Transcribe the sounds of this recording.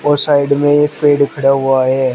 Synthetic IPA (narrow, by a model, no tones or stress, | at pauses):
ɔːɾsaːɪɖmẽeːkpeːɖkʰɐɽaɦʊaɦɛː